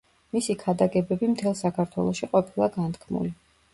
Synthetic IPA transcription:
misikʰad̪aɡɛbɛbimt̪ʰɛlˠsakʰaɾt̪ʰwɛ̰lˠɔʃiqʼɔpʰilˠaɡant̪ʰkʰmṵli

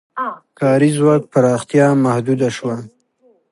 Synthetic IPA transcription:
kɑɾizwɑk̚paɾɑxt̪jɑmahd̪ud̪aʃwa

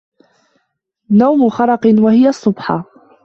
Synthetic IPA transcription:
nawmʊxɑɾˤɑqwahɪjaʔsˤːʊbħɑ

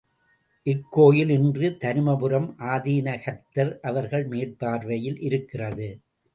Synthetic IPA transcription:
ʔɪkːoːjɪlɪndrɯt̪ɐɾɯmɐpɯɾɐmʔaːðiːnɐxɐɾt̪ɐɾʔɐʋɐɾɣɐɭmeːrpaːɾʋɐjɪlʔɪɾɯkːɪrɐðɯ

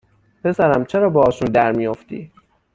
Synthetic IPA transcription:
pe̞sæɾæmt͡ʃʰeɾɒːbeɒːʃund̪æɾmijoft̪ḭː

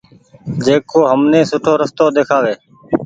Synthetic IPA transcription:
d͡ʒeːkoːɦəmneːsʊʈʰoːɾəst̪oːd̪eːkʰaːʋeː

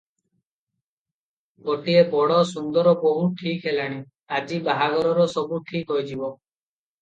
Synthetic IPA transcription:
ɡoʈiebɔɽɔsund̪ɔɾɔboɦuʈʰikɦelaɽ̃i | ad͡ʒibaɦaɡɔɾɔɾɔsɔbuʈʰikɦɔjd͡ʒibɔ

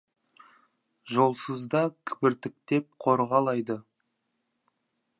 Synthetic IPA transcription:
ʒo̞lˠsəzd̪ɑkʲʰɪ̥bɪɾt̪ɪk̚t̪e̞p̚qʰo̞ɾʁɑlˠɑjd̪ə

